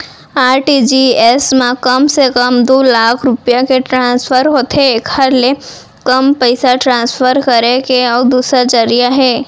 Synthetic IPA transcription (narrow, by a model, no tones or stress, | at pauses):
aːɾʈid͡ʒiesmãkəmsekəmd̪oːlaːkʰɾʊpijakeʈɾãːspʰəɾɦoːt̪eːkhəɾle | kəmpəɪsaʈɾãːnspʰəɾkəɾekeɔːɾd̪uːsɾad͡ʒəɾijaɦɛː